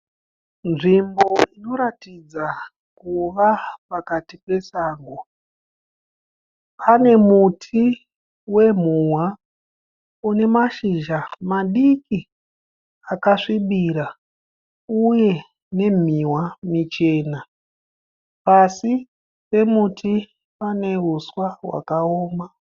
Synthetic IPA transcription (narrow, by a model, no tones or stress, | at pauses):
nʐimbo̞ino̞ɾatid͡za | kuʋapakatipe̞saːŋɡo | pʰane̞mutʰi | we̞m̤uwwa | une̞maʃiʒamaɗiki | akaʂiɓiɾa | uje̞ | ne̞m̤iwamit͡ʃe̞ːna | pasi | pe̞mutʰi | pane̞uswawa̰kaoːma